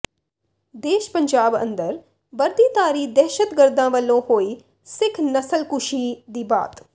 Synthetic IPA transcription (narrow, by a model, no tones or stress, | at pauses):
d̪eːʃpəɲd͡ʒaːbə̰̃nd̪əɾ | bəɾd̪iːt̪aːɾiːd̪ɛːʃət̪ɡəɾd̪ãːʋəlːõːhoːiː | sɪkʰnəsəlkʊʃiːd̪iːba̰ːt̪